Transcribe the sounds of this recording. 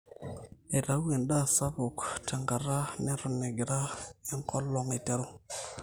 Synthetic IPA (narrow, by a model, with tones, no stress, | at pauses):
e˨ɾa˨˦u˦we˨nɗa˦˨sa˦bo˨ktʰa˨ŋɡa˨ɾa˦nɛ˦ɾʊ˨nɛ˨ɡɪ˨ɾa˦ɛ˦ŋkʰɔ˦lɔ˨ŋe˨tɛ˦ɾo˦